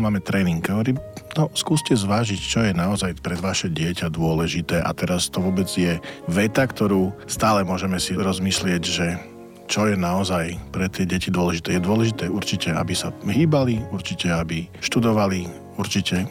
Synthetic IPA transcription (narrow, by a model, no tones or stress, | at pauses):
maːmɛt̪ɾɛːniŋɡɦɔʋɔɾiːnɔskuːscɛzʋaːʒict͡ʃɔjɛnaɔzajpɾɛd̪ʋaʃɛɟɪɛcad̪ʊɔlɛʒit̪ɛːʔa̰t̪ɛɾast̪ɔʋʊɔbɛd͡zjɛʋɛt̪akt̪ɔɾuːst̪aːlɛmʊɔʒɛmɛsiɾɔzmislɪɛɟʒɛ | t͡ʃɔjɛnaɔzajpɾɛt̪ɪɛɟɛcid̪ʊɔlɛʒit̪ɛːjɛd̪ʊɔlɛʒit̪ɛːuɾt͡ʃicɛa̰bisaɦiːbaliuɾt͡ʃicɛabiʃt̪ud̪ɔʋali | uɾt͡ʃicɛ